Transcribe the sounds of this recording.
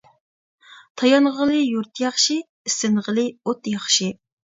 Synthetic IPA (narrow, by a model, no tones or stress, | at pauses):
t̪ʰɑjɑnʁəlˠɨjuɾt̪ʰjɑχʃi | ɪsɪnʁəlˠɨot̪jɑχʃi